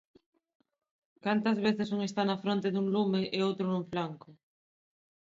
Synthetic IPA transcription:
kant̪ɐzβ̞eθɪsuŋest̪anɐfɾont̪eðuŋlumeʔeowt̪ɾʊnuɱflaŋkʊ

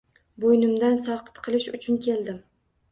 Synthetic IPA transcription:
bojnɪmd̪ansɒqʰɨ̥t̪qʰɨlˠɪʃʊt͡ʃʰʊnkʲʰe̞ld̪ɪm

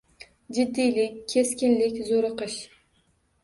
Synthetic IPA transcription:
d͡ʒɪd̪ːijlɪkʲʰːeskʲɪnlɪkʲzoɾɨqɨʃ

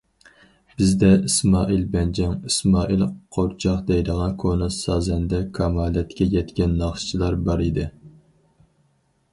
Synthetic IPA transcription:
b̥ɪzd̪ɛismɑːʔilbɛnd͡ʒɛŋismɑːʔilˠqʰoɾt͡ʃʰɑqd̪ɛjd̪əʁɑnkʰonɨsɑːzɛnd̪ɛkʰɑmɑːlɛt̪kʲɛjʲɛt̪kʲɛnːɑχʃt͡ʃʰilˠɑɾbɑɾid̪ɪ

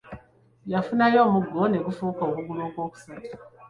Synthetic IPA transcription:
jafunajo̞muɡːone̞ɡufuukaokuɡuloːkwo̞ːku̥satḁ

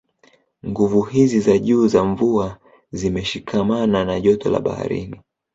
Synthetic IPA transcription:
ŋɡuvuɦizizaʄuːzaɱvua | zimɛʃikʰamananaʄɔtɔ̰la̰ɓa̰ha̰ɾḭni

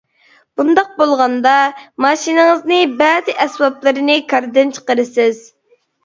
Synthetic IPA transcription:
b̥und̪ɑq̚bolˠʁɑnd̪ɑmɑʃinɨŋɨznɨbæd̪ɪʔɛsbɑplˠɨɾɨnɪkʰɑɾd̪ɨnt͡ʃʰə̥qəɾɨsɪz̥

